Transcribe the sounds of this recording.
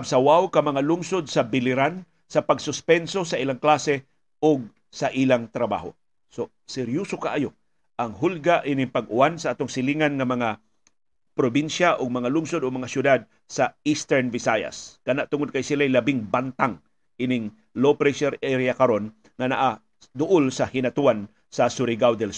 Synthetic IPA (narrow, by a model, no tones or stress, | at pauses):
bsawawkɐmɐŋalʊŋsod̪̚sɐbɪlɪɾan | sɐpɐɡsʊspɛnso̞sɐʔɪlaŋklasɛ | ʔʊɡ̚ | saʔilaŋt̪ɾɐba̰ːɦo̰ | so | sɛɾjosokaʔajo | ʔɐŋɦʊlɡaʔinɪŋpaɡʊʔansaʔat̪oŋsɪliŋanŋɐmɐŋa | pɾobinʃaʔoɡ̚mɐŋalʊmsod̪oɡmɐŋasjʊd̪ad̪̚ | sɐist̪ɛɹnvɪsaja̰skanaʔt̪ʊŋod̪̚kajsɪlaajlɐbɪŋbant̪aŋ | ʔɪnɪŋ | lopɾɛʃɛɾɛɾjakaɾon | ŋanaʔa | d̪ʊʔolsɐhɪnat̪uwan | sɐsʊɾɪɡawd̪ɛl